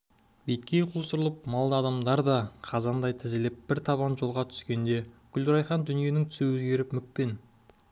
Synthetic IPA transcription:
bejt̪kʲe̞jqʰusəɾəlˠəp̚mɑlˠd̪ɑːd̪ɑmd̪ɑɾd̪ɑqʰɑzɑnd̪ɑjt̪ʰɪzɪlɪp̚b̥ɪɾt̪ʰɑβɑnʒo̞lˠʁɑt̪ʰʏ̥skʲe̞nd̪e̞ɡ̥ʲʏld̪ɾɑjχɑnd̪ʏnije̞nɪŋt̪ʰʏ̥suwɵzɡʲe̞ɾɪpmʏk̚pe̞n

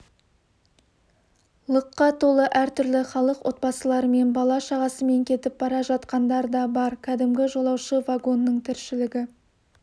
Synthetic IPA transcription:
lˠəqːɑt̪ʰo̞lˠəʔæɾt̪ʰʏɾlɪχɑlˠəqwʔo̞t̪̚bɑsəlˠɑɾəme̞nbɑlˠɑʃɑʁɑsəme̞ŋkʲʰe̞t̪ɪp̚bɑɾɑʒɑt̪qɑnd̪ɑɾd̪ɑbɑɾkʲʰæd̪ɪmɡʲɪʒo̞lˠɑwʃəvaɡo̞nːəɴt̪ʰɪɾʃɪlɪɡʲɪ

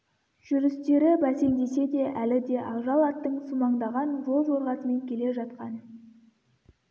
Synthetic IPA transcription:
ʒ̥ʏɾɪst̪e̞ɾɪbæse̞ŋd̪e̞se̞d̪e̞ʔælɪd̪e̞ʔɑʒɑlˠɑt̪ːəɴsumɑɴd̪ɑʁɑnʒo̞lˠwo̞ɾʁɑsəme̞ŋkʲʰe̞le̞ʒɑt̪qɑn

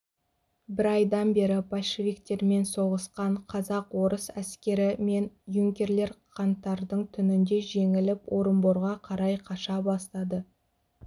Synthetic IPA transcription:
bɪɾɑjd̪ɑnbe̞ɾɪpʰalʲʃivʲik̚t̪e̞ɾme̞nso̞ʁəsqɑɴqʰɑzɑqwo̞ɾəsæskʲe̞ɾɪme̞njuŋkʲe̞ɾle̞ɾqʰɑnt̪ːɑɾd̪əɴt̪ʰʏnɪnd̪e̞ʒe̞ŋɪlɪpwʔo̞ɾəmboɾʁɑqʰɑɾɑjqʰɑʃɑbɑst̪ɑd̪ə

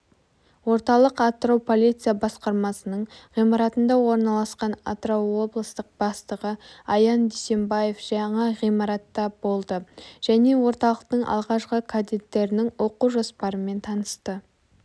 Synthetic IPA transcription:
wo̞ɾt̪ɑlˠəqɑt̪ːəɾowpʰo̞lʲijt̪sijabɑsqɑɾmɑsənəɴʁijmɑɾɑt̪ənd̪ɑwo̞ɾnɑlˠɑsqɑna̰t̪rowːo̞blˠəst̪əq̚bɑst̪əʁəɑjɑnd̪ejse̞mbɑje̞fʒ̥ɑɴɑʁijmɑɾɑt̪ːɑbo̞lˠd̪əʒ̥æne̞wo̞ɾt̪ɑlˠəq̚t̪əɴʔɑ̰lˠʁɑʃqəkʰad̪et̪ːe̞ɾɪnɪŋwo̞quʒospɑɾəme̞nt̪ʰɑnəst̪ə

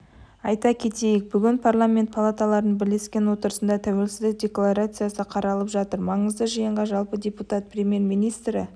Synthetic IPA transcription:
ɑjt̪ɑkʲʰe̞t̪ejɪk̚bʏɡʲɪnpʰarlˠamʲent̪̚pʰalˠat̪alˠɑɾənbɪle̞skʲe̞nwo̞t̪əɾəsənd̪ɑt̪ʰæwe̞lsɪzd̪ɪk̚dʲe̞klˠaɾat̪sɨjasəqʰɑɾɑlˠəpʒɑt̪əɾmɑɴəzd̪əʒijəɴʁɑʒɑlˠpədʲe̞put̪at̪̚pʰrʲe̞mʲje̞rmijnijst̪ɾɪ

